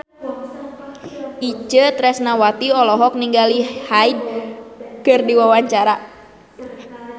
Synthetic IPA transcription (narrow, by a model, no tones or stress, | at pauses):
ʔit͡ʃət̪ɾɛsnawat̪iɔlɔɦɔk̚niŋɡalihaid̚ | kɨrdiwawaɲt͡ʃaɾa